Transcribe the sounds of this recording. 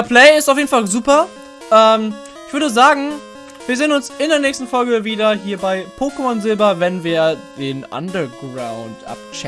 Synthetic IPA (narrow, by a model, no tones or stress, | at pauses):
dɛɐpʰl̥ɛɪɪstaʊfjeːdn̩falzuːpɐ | ʔɛːm | ʔɪçv̥ʏɐdəzaːɡŋ̩ | viːɐzeːənʊnsɪndeːɐnɛːçstn̩fɔlɡəviːdɐɦiːɐbaɪpʰoːkəmɔnzɪlbɐvɛnviːɐd̥eːnʔa̰ndɐɡʁaʊntʔa̰p̚t͡ʃɛ